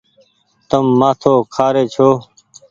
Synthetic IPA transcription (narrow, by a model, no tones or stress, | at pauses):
t̪əmːãːt̪ʰoːkʰaːɾeːt͡ʃʰoː